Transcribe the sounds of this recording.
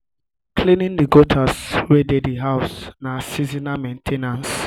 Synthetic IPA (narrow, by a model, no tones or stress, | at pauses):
kʰlinĩndiɡotʰaswedediɦaʊsnasizinamẽntʰenãns